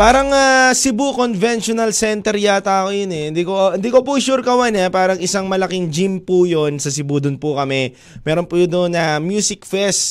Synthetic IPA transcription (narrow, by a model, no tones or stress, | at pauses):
paːɾɐŋasɪbukonvɛnʃonɐlsɛnt̪ɛɾjat̪aːkojonɛɪnd̪ikoɪnd̪iːkopuʃuɾkɐwanɛpaːɾɐŋʔɪsaŋmɐlɐkiŋd͡ʒimpujonsɐsɪbud̪ʊnpʊkɐmɛ | mɛːɾonpud̪onɐmjusɪkfɛs